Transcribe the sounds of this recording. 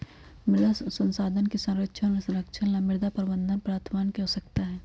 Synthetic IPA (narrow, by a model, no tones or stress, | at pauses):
mɪɾd̪asə̃nsaːd̪ʱənkesɐ̃nɾəkʃʰənmẽsɐ̃ɾəkʃʰənlamɪɾd̪apəɾəbə̃nd̪ʱənpɾaːɾt̪ʰmaːnkeɦosəkt̪aɦɛː